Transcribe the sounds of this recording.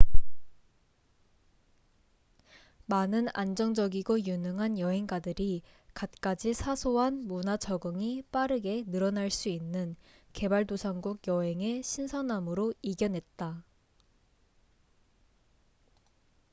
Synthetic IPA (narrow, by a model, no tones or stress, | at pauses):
manɯnand͡ʑʌŋd͡ʑʌɡiɡojunɯŋɦanjʌɦe̞ŋɡadɯɾikat̚k͈ad͡ʑisʰasʰoɦanmunat͡ɕʰʌɡɯŋip͈aɾɯɡe̞nɯɾʌnaɭs͈uinːɯn | ke̞baɭdosʰaŋɡuɡjʌɦe̞ŋe̞ɕʰinsʰʌnamɯɾoiɡjʌnɦe̞t̚t͈a